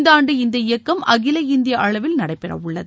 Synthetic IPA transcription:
nd̪aːɳɖɯɪnd̪ɐɪjɐkːɐmɐɣɪlɐɪnd̪ɪjɐʔɐɭɐʋɪlnɐɽɐɪpːɛrɐ̰ʋʊɭːɐðɯ

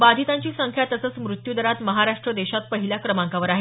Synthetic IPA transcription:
bad̪ʱit̪aɲt͡ɕiːsəŋkʰjat̪əsəːt͡smɾut̪jud̪əɾat̪məɦaɾaʂʈɾəd̪eɕat̪̚pəɦiljakɾəmãŋkaʋəɾaɦe

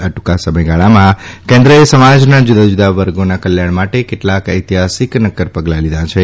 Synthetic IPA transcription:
əʈu̥kasəməjɡaɭamãkẽnd̪ɾəesəmad͡ʒnad͡ʒud̪ad͡ʒud̪aʋəɾɡonakəljaɽ̃maʈekeʈlakəjt̪iɦasiknəkːəɾpəɡlalid̪ʱãt͡ʃʰe

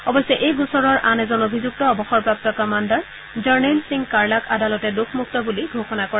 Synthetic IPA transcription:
ɔbɔjsɛʔejɡusɔɹɔɹʔanɛzɔnobʱizuk̚tɔːbɔxɔɹpɹap̚tɔkamandaɹ | zaɹnelsiŋkaɹlakadalɔtɛdukʰmuk̚tɔbuliɡʱoxɔnakɔɹɛ

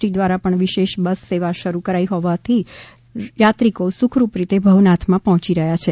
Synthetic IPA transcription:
ʈid̪ʋaɾapəɳʋiʃeʃbəsːeʋaʃəɾukəɾaiɦɔʋat̪ʰi | jat̪ɾikosukʰɾupɾit̪ebʱəʋnat̪ʰmãpəɦɔ̃t͡ʃiɾəɦjat͡ʃʰe

